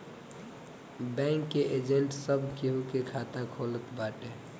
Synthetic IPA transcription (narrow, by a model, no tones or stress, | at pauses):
bɛ̃ŋkːeʔed͡ʒeɳʈsəbʱkiɦukekʰat̪akʰolət̪baːʈe